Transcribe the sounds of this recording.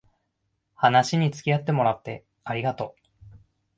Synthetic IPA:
hanaɕiɲ̟it͡sɨ̥kʲijat̪ːe̞mo̞ɾat̪ːe̞̰ | aɾʲiɡat̪o̞

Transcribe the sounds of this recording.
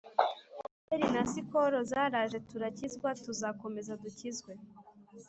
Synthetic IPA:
eɾinasikoɾozaːɾaːʒe̞tuɾacizɡwatuzako̞me̞zaducizɡwe̞

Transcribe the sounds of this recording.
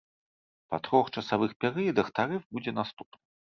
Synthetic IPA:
pat̪ɾɔxt͡ʂɐsavɨxpʲɛɾɨjɐd̪ɐxt̪aɾɨfbud͡zʲɛnast̪upnɨ

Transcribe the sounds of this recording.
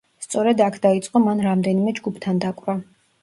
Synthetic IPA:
st̪sʼɔɾɛd̪akʰd̪̥ait̪sʼqʼɔmanɾamd̪ɛnimɛd͡ʒɡupʰt̪ʰand̪akʼɾa

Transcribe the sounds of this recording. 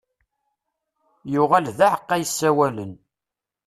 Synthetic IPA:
jʊʁælðaʕəqːæjəsːæwælən

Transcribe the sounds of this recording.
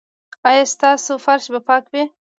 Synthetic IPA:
ɑjast̪ɑːsofaɾʃbapɑkbe

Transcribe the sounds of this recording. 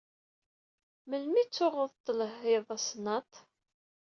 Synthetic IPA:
məlmit͡sːʊʁəðˤt̪ˤːələhɪðˤæsnɑt̪ˤ

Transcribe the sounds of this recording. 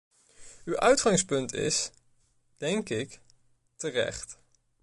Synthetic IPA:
ywʔœɥtχɑŋspɵntɪ̰s | d̥ɛŋkɪk | tərɛ̰χt

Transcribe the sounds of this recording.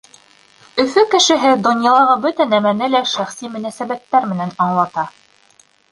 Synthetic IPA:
ɵ̆fɵkɘ̆ʃɘ̆ɦɘd̪ŏnjɑlˠɑʁɤbɵt̪ænæmænɘlæʃæχsimɵ̆næsæβæt̪ːæɾmɘ̆nænɑɴlˠɑt̪ɑ

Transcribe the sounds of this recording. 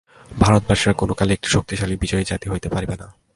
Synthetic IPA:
bʱaɾot̪̚baʃiɾakonokaleek̚ʈi̥ʃok̚t̪iʃalibid͡ʑɔed͡ʑat̪iɦojt̪epaɾbena

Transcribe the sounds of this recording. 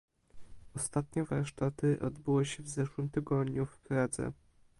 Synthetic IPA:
ɔst̪at̪ɲɛvaɾʂt̪at̪ɘʔɔ̰d̪bɘwɘɕɛvzɛʂwɘmt̪ɘɡɔd̪ɲufkɾad̪zɛ̰

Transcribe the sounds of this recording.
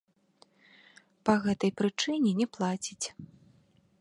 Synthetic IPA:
pɐɣɛt̪ɐjpɾɨt͡ʂɨnʲɛnʲɛplˠat͡sʲit͡sʲ

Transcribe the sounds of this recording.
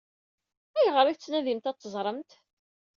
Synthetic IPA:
æjəʁəɾˤit͡sːnæðimt̪æt͡s̪ˤːəzˤɾˤəmt̪

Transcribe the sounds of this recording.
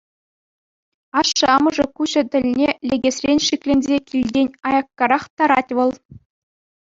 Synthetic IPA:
ɑʂːɤ̆ɑmɤ̆ʐɤ̆kuʑɘ̆t̪ʲɘ̆lʲnʲelʲeɡʲesrʲenʲʂikʲlʲenʲzʲekʲilʲdʲenʲɑjɑkːɑɾɑχt̪ɑɾɑtʲʋɤ̆lˠ

